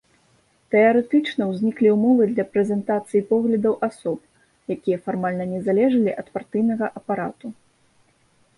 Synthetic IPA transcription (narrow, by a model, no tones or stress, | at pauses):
t̪ɛaɾɛt̪ɨt͡ʂnɐwzʲnʲiklʲiwmɔvɨd̪lʲɐpɾɛzʲɛnt̪at̪sɨjipɔɣlʲɐd̪ɐwʔasɔp̚ | jakʲijɐfarmalʲnɐnʲɛzalʲɛʐɐlʲiʔɐt̪part̪ɨjnɐɣɐʔɐpaɾa̰t̪u